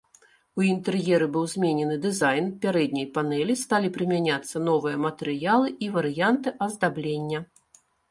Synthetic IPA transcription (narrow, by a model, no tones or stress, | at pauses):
uint̪ɛɾjɛɾɨbɨwzʲmʲenʲɛnɨd̪ɨzajnpʲaɾɛd̪̚ʲnʲɐjpanɛlʲist̪alʲipɾɨmʲanʲat̪sːɐnɔvɨjɐmɐt̪ɛɾɨjalˠɨʔivɐɾɨjant̪ɨʔɐzd̪ablʲenʲːɐ